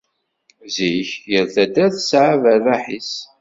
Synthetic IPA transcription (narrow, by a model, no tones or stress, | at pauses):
ziçjəɾθæd̪æθsʕavərːɑħis